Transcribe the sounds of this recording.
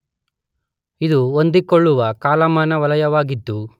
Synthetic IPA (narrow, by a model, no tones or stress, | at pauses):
id̪uond̪ikoɭːuʋɐkaːlɐmaːnɐʋɐlɐjɐʋaːɡit̪ːu